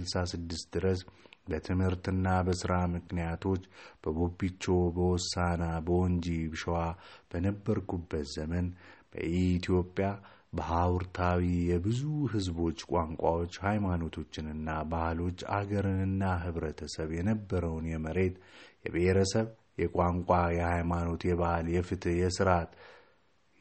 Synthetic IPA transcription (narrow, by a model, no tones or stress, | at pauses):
ɨlsasɨd̪ːɨst̪d̪ɨɾəsbət̪ʰɨmhɨɾt̪ɨnːabəsɨɾamɨknijat̪ʰo̞t͡ʃːb̥əɡobːit͡ʃːo̞bəwɔsːanabəwɔnd͡ʒibɨʃɛwab̥ənəbːəɾkʰubːət̪zəmənb̥ə̰ʔit̪ʰijo̞pʼːja | bəɦawɾt̪ʰawijɛbɨzuɦɨzbo̞t͡ʃːkʼaŋkʷʼawo̞t͡ʃːhajmano̞t̪ʰo̞t͡ʃːɪnɨnːabahlo̞t͡ʃːa̰ɡəɾɨnɨnːaɦɨβɾət̪ʰəsəβjɛnəbːəɾəwnjɛməɾe̞t̪jɛ̰βəheɾəsəβ | jɛkʷʼaŋkʷʼajɛhajmano̞t̪jɛβahljɛfɨt̪ʰjɛsɨɾat̪